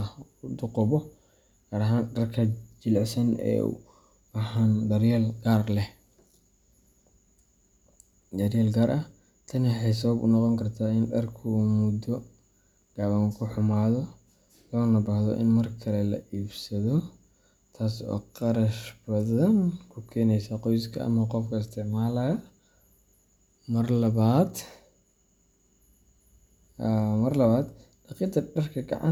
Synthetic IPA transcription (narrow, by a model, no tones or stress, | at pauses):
ʊd̪ʊqɔβɔ | ɡ̥aːɾɐɦaːnɖɐrkʰɐd͡ʒɪlʕsɐnɛ̰ːṵ | ɐħaːndɐrjɐlɡaːrlɛh | d̪ɐrjɐːlɡaːɾʔɐ | t̪ʰɐnɪɛjs̬ɐβɐbʊ̰nɑqɔŋkʰɐrt̪ʰaːɪnɖɐrkʰːmʊd̪ɔ | ɡ̥aːβɐŋkʰʊħʊmaːðɔ | lɔːnɐbɐhðɔ̰ʔɪ̰nmɐrkʰɐlɛlɐ̰ʔiːbsɐðɔ | t̪ʰaːsɔ̰ːqɑɾɐʃbɐðɐnkʰʊkʰɛːnɛjsɐqɔjskʰɐʔɐ̰mɐqɔfkʰɐɪst̪ʰɪʕmaːlɐjɐ | mɐrlad̪ | mɐrlɐβaːd̪ | ɖɑqiːt̪ɐɖɐrkʰɐɡɐ̰ʕa̰n